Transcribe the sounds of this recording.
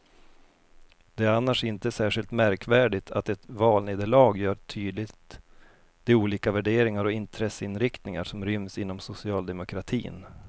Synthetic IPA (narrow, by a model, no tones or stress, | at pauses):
d̪̥ɛæɾanːaʂɪnt̪əsæːʂɪlt̪mæɾkvæːɖɪt̪ʰat̪ɛt̪vɑːlneːd̪əɭɑːɡjœːʈ̪ʰyːd̪lɪt̪ | d̪̥ɛuːliːkavæɖeːɾɪŋaɾɔɪnt̪ʰɾɛsːəɪnɾɪkt̪nɪŋa̰ʂɔmɾʏmsɪnːɔmsʊsɪɑːld̪ɛmʊkʰɾat̪ʰḭːn